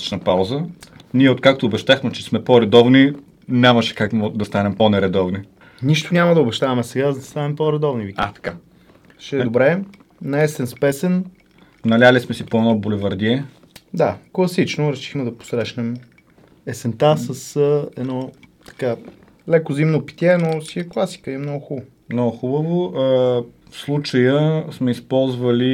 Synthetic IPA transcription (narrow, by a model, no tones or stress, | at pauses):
t͡ʃnəpawzə | niɛot̪̚kak̚t̪oːbɛʃt̪axmɛt͡ʃɛsmɛpoɾɛd̪ɔvni | ɲʲamɐʃɛ̥kakmɔd̪ɐst̪anɛmponɛɾɛd̪ɔvni | niʃt̪ʊnʲaməd̪ɐobɛʃt̪avɐmɛsɛɡazd̪ɐst̪anɛmpɔɾɛd̪ɔvniviat̪ɐ̥ka | ʃɛɛd̪obɾɛ | nɐɛsɛnspɛsɛn | nɐlʲalismɛsipoɛnɔbolɛvɐɾd̪iɛ | d̪aklˠɐsit͡ʃnoɾɛʃi̥xmɛd̪ɐpo̥sɾɛʃnɛm | ɛsɛnt̪asəsəɛd̪nɔt̪ɐ̥ka | lɛkozimnopi̥t̪ʲɛnosiɛklˠasi̥kəiɛmnɔɡʊxubə | mnɔɡʊxubəvoə | fslˠut͡ʃəjəsmɛispɔlˠzvəli